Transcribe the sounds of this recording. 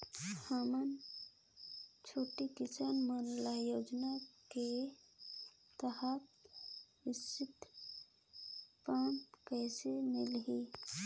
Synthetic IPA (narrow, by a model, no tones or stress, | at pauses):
hamən | t͡ʃʰoːʈikɪsanmənlajoːd͡ʒnake | t̪əhəp | ɪsɪt̪ | pãːntkəːsemɪlɦiː